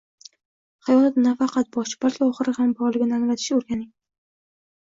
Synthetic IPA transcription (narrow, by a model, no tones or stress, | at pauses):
hajɒlt̪nafaqʰɑt̪̚bɒʃɪ̥b̥alkʲʰɪɒχɨɾɪhambɒɾlɪɡʲɪnaŋlat̪ʰɪ̥ʃoɾɡʲanɪŋ